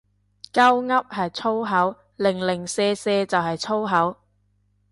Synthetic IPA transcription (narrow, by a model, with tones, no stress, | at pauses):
kɐ˥wŋɐ˥p̚hɐ˨jt͡sʰo˥wɦɐ˨˥w | lɪ˨˩ŋlɪ˨˩ŋsɛː˧sɛː˧t͡sɐ˨wɦɐ˨jt͡sʰo˥wɦɐ˨˥w